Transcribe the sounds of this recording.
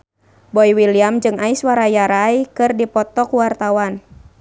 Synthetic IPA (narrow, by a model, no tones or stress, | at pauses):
bɔjwiliamd͡ʒɨŋaiswaɾajaɾaikɨrdipɔt̪ɔkuwart̪awan